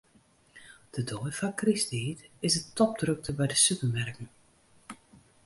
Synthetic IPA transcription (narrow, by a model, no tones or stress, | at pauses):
d̥ədojfakristitɪsətɔp̚drɵk̚təbɛjdəsypərmɛrkən̩